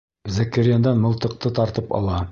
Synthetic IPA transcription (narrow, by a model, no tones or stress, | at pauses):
zækɘɾɪjand̪ɑnmɤ̆lˠt̪ɤ̆q̚t̪ɤt̪ɑɾt̪ɤpɑ̰lˠɑ